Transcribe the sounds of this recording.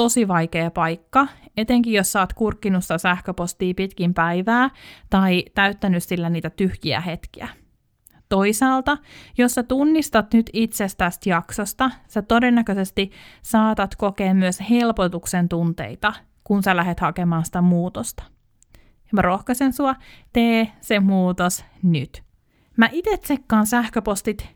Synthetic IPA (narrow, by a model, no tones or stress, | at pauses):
t̪osiʋɑjkeːpɑjkːɑet̪eŋkijosːɑːt̪kurkːinusːɑsæhkøpost̪iːpit̪kimpæjʋæːt̪ɑit̪æyt̪ːænyssilːæniːt̪æt̪yhjiæ̰he̞t̪k̟iæ̰ | t̪o̞isɑːlt̪ɑjosːæt̪unːist̪ɑt̪nyt̪it̪sest̪æst̪jɑksost̪ɑsæt̪odenːækøsest̪isɑːt̪ɑt̪kokeːmːyøshelpot̪uksent̪unt̪ḛit̪ɑ | kunsælæɦet̪hɑkemɑːnsi̥t̪æmuːt̪ost̪ɑ̥ | mrohkɑsensuɑt̪eːsemuːt̪osnyt̪ | mæʔit̪et̪sekːɑːnsæhkøpost̪it̪